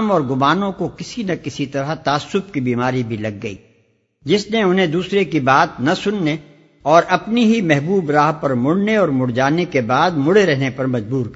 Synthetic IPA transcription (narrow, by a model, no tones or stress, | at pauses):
mɔːɾɡʊmaːnõkokɪsinɐkɪsit̪ɐɾat̪aːsːʊbkibiːmaːɾibʱilɐɡ̚ːɐḭː | d͡ʒɪsneʊnɦẽd̪uːsɾekibaːt̪̚nɐsʊnːe | ɔːɾʔɐpniɦimɛɦbuːbɾaːɦpɐɾmʊɽneɔːɾmʊɽd͡ʒaːnekebaːd̪mʊɽeɾɛɦnepɐɾmɐd͡ʒbuːɾk